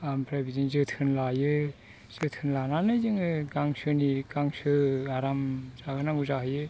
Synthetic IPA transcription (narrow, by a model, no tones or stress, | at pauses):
ampɾajbiziŋzɯtʰɯnlajɯ | z̥ɯtʰɯnlananɯjzɯŋɯɡaŋsɯniɡaŋsɯaɾamzakɯnaŋuzahɯjɯ